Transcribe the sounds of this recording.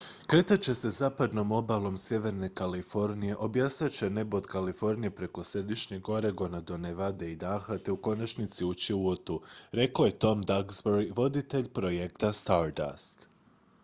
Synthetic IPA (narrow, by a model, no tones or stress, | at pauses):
kɾe̞t̪at͡ɕe̞se̞zaːpad̪no̞mo̞balˠo̞msje̞ʋe̞ɾne̞kalifo̞ɾnije̞ʔo̞bjasɲat͡ɕe̞ne̞bo̞d̪kalifo̞ɾnije̞pɾe̞ko̞sɾe̞d̪iʃɲe̞ɡo̞ɾe̞ɡo̞nad̪o̞neʋad̪e̞id̪aːxat̪e̞uko̞nat͡ʃnit̪siut͡ɕiuot̪uɾe̞koje̞t̪o̞md̪aɡzboɾiʋo̞d̪it̪e̞ʎpɾo̞jekt̪ast̪aɾd̪a̰st̪